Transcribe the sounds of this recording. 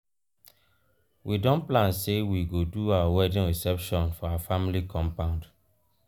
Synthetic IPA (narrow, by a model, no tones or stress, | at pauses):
widɔ̃nplãnsewiɡoduawawɛdĩnɹisɛpʃɔ̃nfɔawafamilikʰɔ̃mpãʊ̃nd